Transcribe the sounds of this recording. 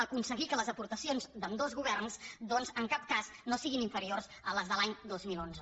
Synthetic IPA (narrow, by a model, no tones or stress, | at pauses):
əkunsəɣikələzəpuɾt̪əsionzd̪əmd̪ozɣuβɛrnsd̪ɔnzəŋkap̚kaznosiɣiniɱfəɾiorzələzðəlaɲd̪ozmilˠonzə